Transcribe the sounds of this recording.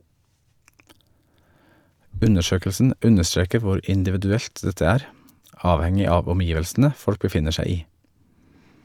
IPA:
ˈʉnəˌʃøːkəlsn̩ ˈʉnəˌstɾeːkə ˈʋʊɾ ɪndɪʋɪdʉˈɛlt ˈdɛtə ˈæːɾ ˈɑːʋˌhɛŋɪ ˈɑːʋ ɔmˈjiːʋəlsn̩ə ˈfɔɽk bəˈfɪnə ˈʃæɪ ˈiː

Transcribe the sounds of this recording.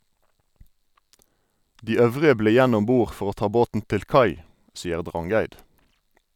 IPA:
ˈdiː ˈœʋʁɪə ˈbleː ˈjæn ˈɔm ˈbuːʁ ˈfɔʁ ˈoː ˈtɑː ˈboːtn̩ ˈtɪl ˈkɑɪ ˈsiːəʁ ˈdʁɑŋˌɡæɪd

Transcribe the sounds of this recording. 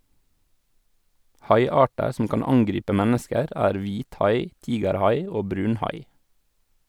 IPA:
ˈhɑɪˌɑːʈəɾ sm̩ ˈkɑːn ˈɑŋɡɾiːpə ˈmɛnəskəɾ ˈæːɾ ˈʋiːtˌhɑɪ ˈtiːɡəɾˌhɑɪ ˈoː ˈbɾʉːnˌhɑɪ

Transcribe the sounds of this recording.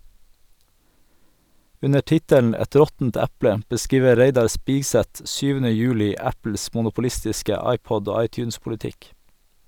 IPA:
ˈʉnə ˈʈɪtəln ˈæt ˈɾɔtn̩t ˈæpɽə bəˈskiːʋə ˈɾeɪdɑɾ ˈspɪɡˌsɛt ˈsyːʋənə ˈjʉːlɪ ˈæpl̩s mʊnʊpʊˈlɪstɪskə ˈɑɪˌpɔd ˈoː ˈɑɪˌtjʉːnspʊlɪˌtɪk

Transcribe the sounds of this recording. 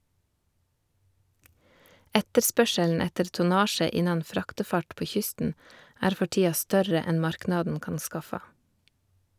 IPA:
ˈɛtəɾˌspœʃəln̩ ˈɛtəɾ tʊˈnɑːʃə ˈɪnɑn ˈfɾɑːktɛˌfɑʈ ˈpoː ˈçʏstn̩ ˈæːɾ ˈfɔ ˈʈiːɑ ˈstœɾə ˈɛn ˈmɑɾknɑdn̩ ˈkɑːn ˈskɑfɑ

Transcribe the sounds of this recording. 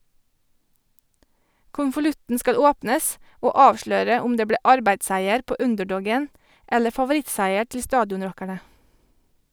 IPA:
kʊnfʊˈlʉtn̩ ˈskɑl ˈoːpnəs ˈoː ˈɑːʋʃløːɾə ˈʊm ˈdeː ˈbɽeː ˈɑɾbæɪdˌsæɪəɾ ˈpoː ˈʉndɛˌɖɔɡən ˈɛlə fɑʋʊˈɾɪtsæɪə ˈʈɪl ˈstɑːdjɔnˌɾɔkæɳə

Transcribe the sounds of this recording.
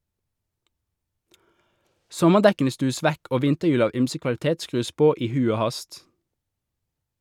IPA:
ˈsɔməʁˌdɛkn̩ə ˈstʉːəs ˈʋɛk ˈoː ˈʋɪntəˌjʉːl ˈɑːʋ ˈyːmsə kʋɑl̩ˈteːt ˈskʁʉːs ˈpoː ˈiː ˈhʉ ˈoː ˈhɑst

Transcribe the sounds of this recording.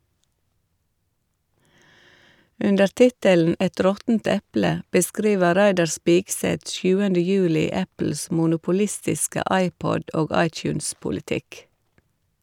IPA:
ˈʉndəɾ ˈtɪtəln̩ ˈɛt ˈɾɔtn̩t ˈɛplə bəˈskɾiːʋə ˈɾæɪdɑɾ ˈspiːɡˌsɛt ˈsjʉːəndə ˈjʉːlɪ ˈæpl̩s mʊnʊpʊˈlɪstɪskə ˈɑɪˌpɔd ˈoːɡ ˈɑɪˌtjʉːnspʊlɪˌtɪk

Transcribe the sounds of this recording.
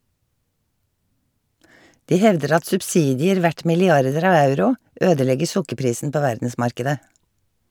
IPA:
ˈdiː ˈhɛʋdəɾ ˈɑt sʉbˈsiːdɪəɾ ˈʋæʈ mɪlɪˈɑɾdəɾ ˈɑːʋ ˈɑʉɾʊ ˈʔøːdəˌlɛɡəɹ ˈsʊkəɾˌpɾiːsn̩ ˈpoː ˈʋæɾdn̩ˌsmɑɾkɛdə

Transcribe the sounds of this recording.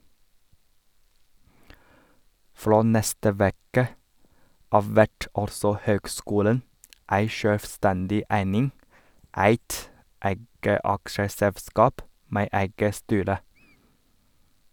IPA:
ˈfɽoː ˈnɛstə ˈʋɛkə ˈɑːʋ ˈʋæʈ ˈɑlsɔ ˈhøːɡˌskuːlən ˈæɪ ˈʃøːlʋˌstændɪ ˈæɪnɪŋ ˈʔæɪt ˈʔæɪɡə ˈʔɑkʃəsɛʋˌskɑːp ˈmeː ˈæɪɡə ˈstyːɾə

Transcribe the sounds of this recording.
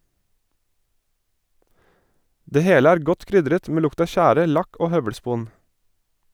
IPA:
ˈdeː ˈheːlə ˈæːɾ ˈɡɔt ˈkɾʏdɾət ˈmeː ˈlʊkt ˈɑː ˈʃæːɾə ˈlɑk ˈoː ˈhœʋəɽˌspuːn

